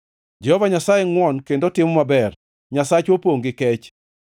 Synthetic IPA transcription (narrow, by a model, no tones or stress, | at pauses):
d͡ʒɛhɔvaɲasajeŋwɔnkendotɪmɔmabɛr | ɲasat͡ʃwopoŋɡɪkɛt͡ʃ